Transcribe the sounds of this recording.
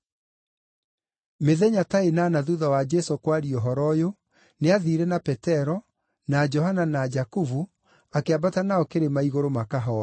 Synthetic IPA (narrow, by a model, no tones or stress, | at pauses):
meðɛɲataenaːnaðuðawad͡ʒɛsokwaɾiɔɦɔɾɔjo | neaðiɾɛnapɛtɛɾɔ | nad͡ʒɔɦananad͡ʒakuvu | akeabatanaɔkeɾemaiɣoɾomakaɦɔ